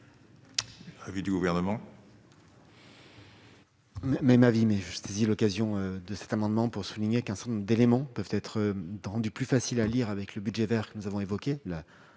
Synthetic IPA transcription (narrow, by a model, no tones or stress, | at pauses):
avid̪yɡuvɛʁnəmɑ̃ | mɛmɛmavimɛʒəsezilɔkazjɔ̃ød̪əsɛ̥t̪amɑ̃d̪mɑ̃puʁsuliɲekɛ̃sɑ̃d̪elemɑ̃pœvt̪ɛt̪χʁɑ̃d̪yplyfasilaliʁavɛkləbydʒɛvɛʁkənuzavɔ̃evɔkʲela